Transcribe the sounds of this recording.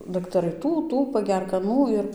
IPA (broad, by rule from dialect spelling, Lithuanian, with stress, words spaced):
dɐktɐˈrɐɪ ˈtuː ˈtuː pɐˈɡʲɛrk ɐˈnuː ɪr